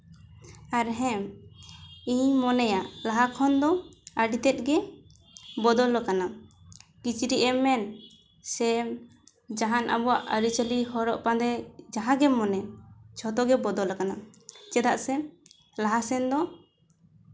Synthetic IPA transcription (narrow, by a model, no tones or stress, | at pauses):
aɾɦɛm | iɲmɔnɛjaʔlaɦakʰɔnd̪ɔəɖit̪ɛt̪̚ˀɡɛ | bɔd̪ɔlɔkana | kit͡ʃiɾiʔɛmɛn | sɛm | d͡ʒaɦanʔa̰bɔwaʔəɾit͡ʃəliɦɔɾɔʔpãd̪ɛd͡ʒaɦãɡɛmɔnɛt͡ʃʰɔt̪ɔɡɛbɔd̪ɔlɔkana | t͡ʃɛd̪aʔsɛ | laɦasɛnd̪ɔ